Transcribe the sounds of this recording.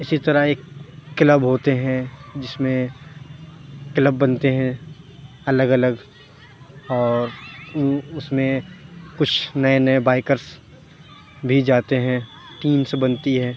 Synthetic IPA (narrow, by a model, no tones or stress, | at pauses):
ɪsit̪ɐɾaeːkːləbɦoːt̪eɦɛ̃d͡ʒɪsmẽ | kləbːɐnt̪eɦɛ̃ | ɐləɡɐləɡ | ɔːɾ | ʊsmẽkʊt͡ʃʰnɐenɐebaːɪkəɾs | bʱid͡ʒaːt̪eɦɛ̃ | ʈiːmsbɐnt̪iɦɛ̃ː